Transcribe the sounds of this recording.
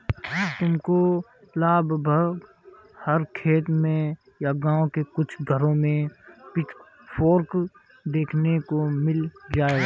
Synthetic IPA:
t̪ʊmko | laːbʱbʱəɡ | həɾkʰeːt̪mẽ | jaɡãːõkekʊt͡ʃʰɡʱəɾõmẽpɪʈ | pʰoːɾk | d̪eːkʰnekomɪld͡ʒaːeɡa

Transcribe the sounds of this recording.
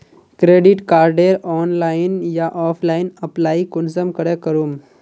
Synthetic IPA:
kɾeːɖɪʈkaːɾɖeɾɔːnlaːɪnjaʔɔːpʰlaːɪnəplaːikʊnsəmkəɾekəɾuːm

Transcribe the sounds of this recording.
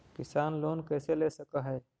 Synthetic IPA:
kɪsaːnloːnkɛːseleːsəkaɦɛː

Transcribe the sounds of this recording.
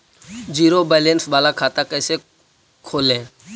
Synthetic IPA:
d͡ʒiːɾoːbaːlẽnsɓaːlakʰaːt̪akəɪse | kʰoːlẽː

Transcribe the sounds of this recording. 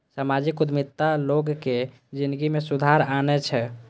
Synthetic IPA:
samad͡ʒikud̪mit̪ːaloɡke | d͡ʒind̪ɡimesud̪ʱaɾanɛt͡ʃʰɛ

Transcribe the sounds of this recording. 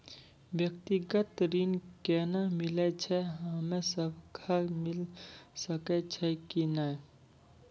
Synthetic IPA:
bjək̚t̪iɡət̪ɾinkɛnamilɛt͡ʃʰɛɦəmesəbʱkʰaɾmilsəkɛt͡ʃʰɛkinaj

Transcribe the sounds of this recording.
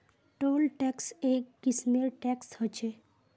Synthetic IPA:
ʈolʈɛksekːismeɾʈɛkshət͡ʃʰe

